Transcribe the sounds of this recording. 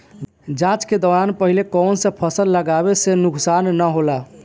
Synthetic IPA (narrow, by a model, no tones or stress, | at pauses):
d͡ʒãt͡ʃked̪ɔɾanpəɦilekɔnsẽpʰəsəlːəɡabesenuksanːəɦola